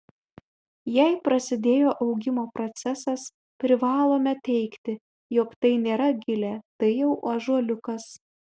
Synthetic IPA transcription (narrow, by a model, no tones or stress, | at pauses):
jɛɪpɾɐsʲɪd̪ʲeːjoːʔɐʊɡʲɪmoːpɾɔt̪sʲɛsɐs | pʲɾʲɪʋɑːlˠoːmʲɛt̪ʲɛɪkt̪ʲɪ | jɔkt̪ɐɪnʲeːɾɐɡʲɪlʲet̪ɐɪjɛʊʔɐʒuɔlʲʊkɐs